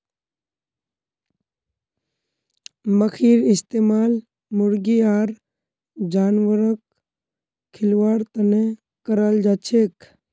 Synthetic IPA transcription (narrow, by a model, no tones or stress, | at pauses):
məkʰiːɾɪst̪eːmaːl | mʊɾɡiaːɾ | d͡ʒaːnʋəɾək̚ | kʰːɪlʋaːɽt̪əne | kəɾald͡ʒaːt͡ʃʰeːk